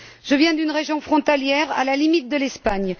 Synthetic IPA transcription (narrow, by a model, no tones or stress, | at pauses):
ʒ̥əvjɛ̃d̪ynʁeʒjɔ̃fχɔ̃t̪aljɛʁa̰lalimit̪̚d̪əlɛspaɲ